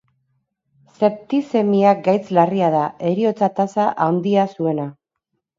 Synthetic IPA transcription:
se̞p̚t̪ise̞miak̚ɡajt͡slariaðae̞ɾio̞t͡sat̪asaʔawnd̪iasue̞na

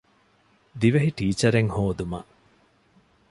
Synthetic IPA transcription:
d̪iʋɐɦiʈiːt͡ʃɐɾeŋhoːd̪umɐ̰ʔ

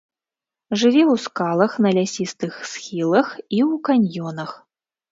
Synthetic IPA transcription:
ʐɨvʲɛwskalˠɐxnɐlʲasʲist̪ɨxsxʲilˠɐxiwkanʲjɔnɐx

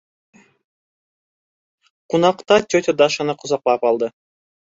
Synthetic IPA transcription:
qunɑqt̪ɑt̪ʲøt̪ʲed̪ɑʃɑnɑqŏzɑq̚lˠɑpɑlˠd̪ɤ

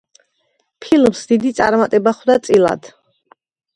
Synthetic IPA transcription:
pʰilmsd̪id̪it̪sʼa̰ɾmat̪ʼɛbaχwd̪at̪sʼila̰d̪̥

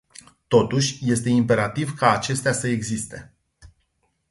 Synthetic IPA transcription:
t̪o̞t̪uʃʲje̞st̪e̞impe̞ɾat̪ivkaːt͡ʃe̞st̪easəe̞ɡzist̪e̞

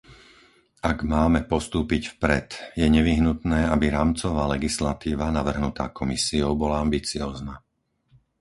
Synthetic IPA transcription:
aɡmaːmɛpɔst̪uːpicfpɾɛ̰t̪jɛɲɛʋiɦnut̪nɛːabiɾaːmt͡sɔʋaːlɛɡislat̪iːʋanaʋr̩ɦnut̪aːkɔmisiɔʊbɔlaambit͡siɔːzna

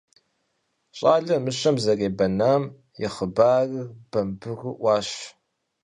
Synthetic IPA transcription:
ɕʼaːɮɐmɨɕɐmzɐreːbɐnaːm | jɪχəbaːrɨb̥ɐmbɨɣɨʔʷɑːɕ

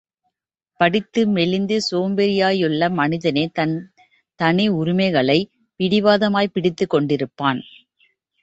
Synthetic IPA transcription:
pɐɽɪt̪ːɯmɛɭɪnd̪ɯsoːmbɛɾɪjaːjʊɭːɐmɐnɪðɐneː | t̪ɐnɪʊɾɪmɐɪɣɐɭɐɪ | pɪɽɪʋaːðɐmaːjpɪɽɪt̪ːɯkːɔɳɖɪɾɯpːaːn

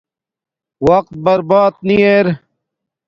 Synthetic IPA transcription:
wɐq̚t̪̚bɐɾbaːt̪̚nieːɾ

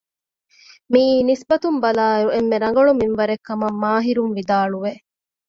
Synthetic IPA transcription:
miːnisbɐt̪umbɐlaːeɾuemːeɾɐŋɡɐɭuminʋɐɾekːɐmɐmːaːɦiɾunʋid̪aːɭuʋe

